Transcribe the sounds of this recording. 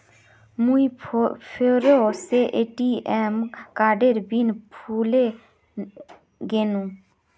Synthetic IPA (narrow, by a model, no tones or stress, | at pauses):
muipʰoɾoseʔeʈiɛːmkaːɖeɾbinpʰuːle | ɡeːnũ